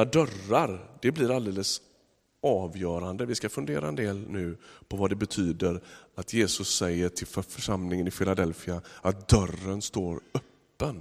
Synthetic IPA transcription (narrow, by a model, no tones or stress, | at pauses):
aɖœrːaɾd̪ɛblɪɾald̪eːləs | ʔɑːvjœːɾand̪əvɪskafɵnd̪eːɾaɛnd̪eːlnʉ̟ːpʰɔvad̪ɛbɛt̪ʰyːd̪əɾat̪ʰjeːsɵsːɛjːəʈʰɪlffœʂamlɪŋənɪfɪlad̪ɛlfɪaat̪̚d̪œrənst̪oːɾœpːən